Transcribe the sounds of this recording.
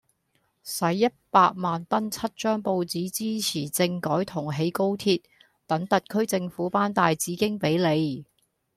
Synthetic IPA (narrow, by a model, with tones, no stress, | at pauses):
sɐ˨˥jːɐ˥t̚paː˧k̚maː˨nt̪ɐ˥nt͡sʰɐ˥t̚t͡ʃœː˥ŋpo˧wt͡siː˨˥t͡siː˥t͡sʰiː˨˩t͡sɪ˧ŋkɔː˨˥jt̪ʰʊ˨˩ŋɦe˨˧jko˥wt̪ʰiː˧t̚ | t̪ɐ˨˥ŋt̪ɐ˨t̚kʰɵ˥ɥt͡sɪ˧ŋfuː˨˥paː˥nt̪aː˨˧jt͡siː˨˥kɪ˥ŋpe˨˥jle˨˧j